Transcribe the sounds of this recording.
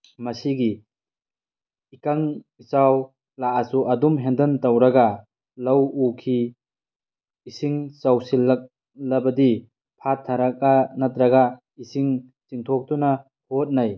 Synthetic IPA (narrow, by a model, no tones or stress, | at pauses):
mɐsiɡi | ikaŋ | isaw | laʔasuʔɐdumɦendɐntɐwɾɐɡa | lɐwukʰi | siŋsawsilak̚ | lɐbɐdi | pʰatʰːaɾak̚anatɾɐɡa | isiŋ | t͡ʃiŋtʰok̚tuna | hot̚naj